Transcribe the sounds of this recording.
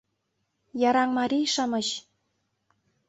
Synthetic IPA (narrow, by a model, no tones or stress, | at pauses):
jɑɾɑŋmɑɾʲijʃɑmɤ̆ɕ